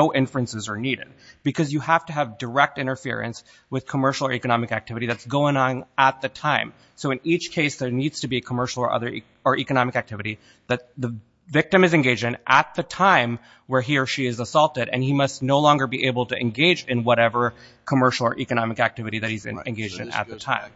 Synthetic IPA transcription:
oʊʔɪ̃ɱfɨ̃nsɨzə˞niɾɨ̰d̚b̥ɨkʰʌzjɨhæftɨːvdə˞ɛk̚tɪ̃ɾ̃ə˞fɪ̰ɹɨ̰̃ns | wɨð̥kʰəmɜ˞ʃl̩ˠə̰˞ikɨnɑmɨkæk̚tʰɪvɨɾiðɨtsɡ̥oʊɪ̃ŋə̃nət̪̚ðɨtʰãɪ̃m | soʊɨ̃nit͡ʃkʰeɪsðə˞nidz̥tʰɨbiɨkʰəmɜ˞ʃl̩ˠə̰˞ʔʌ̰ðə˞ | ə˞ʔikɨnɑmɨkæk̚tʰɪvɨɾi | ðɨt̪̚ðɨ | vɪk̚tɨ̃mɨzɨ̃nɡeɪd͡ʒɪ̃ŋʔət̪̚ðɨtʰãɪ̃m | wə˞ɦiɹʃiɨzəsɔlˠtɨɾɨ̰̃nimʌstⁿnoʊlɔ̃ŋɡə˞biʔeɪbl̩ˠtɨʔɨ̃nɡeɪd͡ʒɨ̃nwʌɾɛvə˞ | kʰəmɜ˞ʃl̩ˠə̰˞ʔikɨñɑmɨkæk̚tʰɪvɨɾiðɨt̚hiz̰ɨ̃nɡeɪd͡ʒɪ̃ŋə̰t̪̚ðɨtʰã̰ɪ̃m

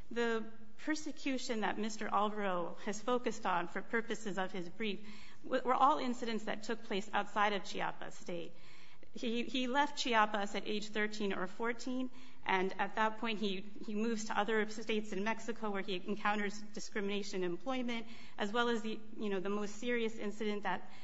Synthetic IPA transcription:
ðɨ | pʰɜ˞sɨkʰj̥ʉʃɨ̃nðɨ̰t̚mɪstə˞ʔɑlˠbɹoʊ | ɨz̥foʊkɨstn̩fə˞pʰɜ˞pɨsɨzʌv̥ɨzbɹif | ʌwə˞ʔɔlˠɪ̃nsɨɾɨ̃ntsðɨ̰tʰʊk̚pʰl̥eɪsa̰ʊtsaɪɾʌv̥t͡ʃʰiɑ̰pɨ̰steɪt̚ | hiilɛft̚t͡ʃʰiɑpəsɨɾʔḛɪd̥ʒ̥θɜ˞tʰĩnə̰˞fɔɹtʰĩn | ʔɨ̃nɨt̪̚ðət̚pʰɔ̃ɪ̃nt̚hi | imʉvz̥tʰəʔʌðə˞steɪtsɨ̃nmɛksɨkʰoʊwə˞iɨ̃nkʰãʊ̃ɾ̃ə˞zd̥ɨskɹɪmɨñeɪʃɨ̃nɨ̃mpʰl̥ɔɪmɨ̃nt | ʔɨzwɛlˠəzði | jɨñoʊðəmoʊstsɪɹiɨsɪ̰̃nsɨɾɨ̃nðɨt̚

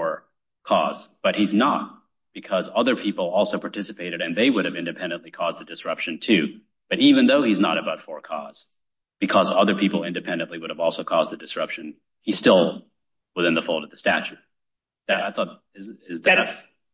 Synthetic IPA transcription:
fə˞ | kʰɔ̰zb̥ʌt̚hiznət̚ | b̥ɨkʰʌzʌðə˞pʰipl̩ˠɔlˠsoʊpʰɑɹtʰɪsɨpʰeɪɾɨɾɨ̃nðeɪwʊɾɨvɪ̃ndɨpʰɛ̃ndɨ̃nʔlikʰɔz̚ðɨdɨsɹʌpʃɨ̃ntʰʉ | b̥ʌɾivɨ̃nðoʊiznə̰ɾɨbaʊtfə˞kʰɔ̰z̥ | b̥ɨkʰʌzʌðə˞pʰipl̩ˠɪ̃ndɨpʰɛ̃ndɨ̃nʔliwʊɾəvɔlˠsoʊkʰɔzdðɨdɨsɹʌpʃɨ̃n | iz̥stɪlˠ | wəθɪ̃nðəfoʊlˠdʌvðɨstæ̰t͡ʃʉt̚ | ðɨɾaɪθɔt̚ | ɪzɪzðɨs

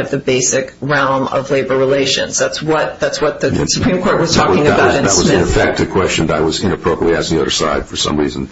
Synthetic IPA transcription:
ɨvðɨbeɪsɨkɹɛlˠmʌ̰vleɪbə˞ɹileɪʃɨ̰̃nz̥ðætswʌt̪̚ðætswʌt̪̚ðɨsɨpʰɹ̥ĩmkʰɔɹt̚wʌz̥tʰɔkɪ̃ŋɨɨbaʊɾɨ̃ðət̚wʌzɨ̃nɨfɛk̚tɨ̥kʰw̥ɛst͡ʃɨ̃n̩ðəɾaɪwʌzɪ̃nɨpʰɹ̥oʊpɹiətˡliæsiʌðə̰˞saɪd̥fə˞sʌ̰̃mɹiz̃n̩

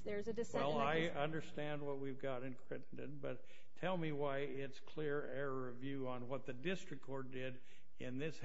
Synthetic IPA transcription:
ðə˞zɨdɨswɛlˠaɪʌ̃ndə˞stæ̃nd̚wʌt̚wivɡɑɾɨ̃nkʰɹ̥ɪʔn̩dɨ̰̃nbʌtʰ | ɛlˠmiwaɪ | ɪtskʰl̥ɪɹ | ɛɹə˞ʌvjʉə̃nwʌt̪̚ðɨdɪstɹ̥ɨk̚kʰɔɹt̚d̥ɪɾ | ɪ̃nðɪs

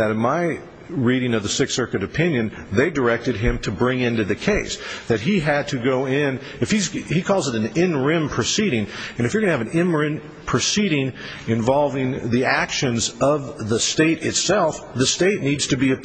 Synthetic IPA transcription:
ðɨɾɨ̃nmaɪ | ɹiɾɪ̃ŋʌvðɨsɪksɜ˞kɨɾɨpʰɪ̃njɨ̃n | ðeɪdə˞ɛk̚tɨd̚ɪ̃mtʰɨbɹɪ̃ŋɪ̃ntʉðɨkʰeɪsðɨt̚ɦiɨd̚tʰɨɡoʊɪ̃n | ɨfhizikʰɔlˠzəɾn̩ɪ̃nɹɪ̃mpʰɹ̥ɨsiɾɪ̃ŋɨ̃ñɨfjə˞ɡʌ̃nɨːvɨ̃n̩ɪ̃nɹɪ̃m | pʰɹ̥ɨsiɾɪ̃ŋ | ɨ̃ɱvɑlˠvɪ̃ŋðiækʃɨ̃nzʌvðəsteɪɾɨtsɛlˠfðɨsteɪtⁿnidz̥tʰɨbiɨ

